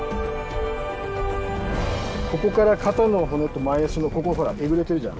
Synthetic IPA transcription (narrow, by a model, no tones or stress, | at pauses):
ko̞ko̞kaɾakʰat̪onːomaɦonot̪ːomaiasɨnokokoɦo̞ɾa̰ʔeɡɯ̟ɾe̞t̪e̞ɾɯ̟d͡ʑã̰